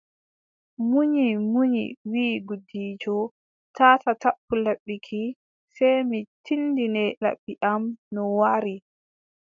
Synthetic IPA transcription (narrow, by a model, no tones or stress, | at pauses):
muɲimuɲḭwiːɡudiːd͡ʒɔ | tʰaːtatapːulaɓːikʰi | sɛjmitʰinːdinɛla̰ɓːiʔamnɔwaɾi